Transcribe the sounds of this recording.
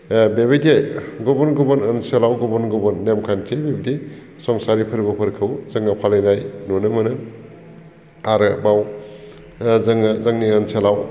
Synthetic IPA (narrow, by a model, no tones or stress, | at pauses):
bebejdejɡɔbɔnɡubɔnənselawɡɔbɔnɡɔbɔnːemkʰankʰebibidi | sɔŋsaɾipʰɯɾbɔpʰɯɾkʰɯwzɯŋapʰalɯjnajnɔnɯmɯnɯ | aɾɯbaw | zɯŋzaŋniənselaw